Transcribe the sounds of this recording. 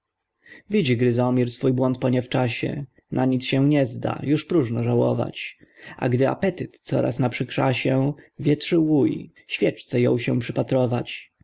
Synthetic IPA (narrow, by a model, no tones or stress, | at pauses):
vʲid͡ʑiɡɾɘzɔmʲiɾsfujbwɔnt̪̚pɔɲɛft͡ʂaɕɛ̰ | nʔaɲit̪sɕɛ̃ɲɛzd̪a̰juʂpɾuʐnɔʐawɔ̰va̰t͡ɕa̰ɡd̪ɘa̰pɛt̪ɘt̪t̪sɔ̰ɾa̰snapʂɘkʂaɕɛvʲjɛt̪ʂɘwuj | ɕfʲjɛt͡ʂt̪sɛjɔ̰̃w̃ɕɛ̃w̃pʂɘpat̪ɾɔva̰t͡ɕ